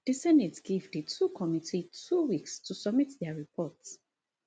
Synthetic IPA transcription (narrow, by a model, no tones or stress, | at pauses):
d̥isɛnitsɡivdətʰukʰɔmitʰitʰuwikstʰusɔbmitðɛɹipʰɔts